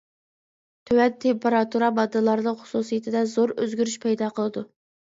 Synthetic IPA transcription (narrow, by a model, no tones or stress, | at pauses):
t̪ʰøwɛt̪ʰːempeɾɑt̪uɾɑbɑd̪ɨlˠɑɾd̪əχʊ̥susijit̪ʰɪd̪ɛzoɾø̰zɡʲyɾyʃpʰɛjd̪ɑqʰəlˠɨd̪u